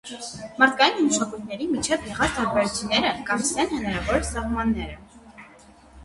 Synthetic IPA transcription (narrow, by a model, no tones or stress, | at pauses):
mɑɾt̪̚ʰkɑjinməʃɑkujt̪ʰnɛɾimit͡ʃʰɛvjɛʁɑt͡sd̪ɑɾbɛɾt͡sʰinɛɾəkɑɾisɛnhənɑɾɑvɔɾsɑʁmɑnːɛɾə